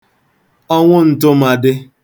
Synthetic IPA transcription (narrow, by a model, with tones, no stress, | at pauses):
ɔ˦ŋʷʊ˦n̩˨tʊ˦ma˨dɪ˦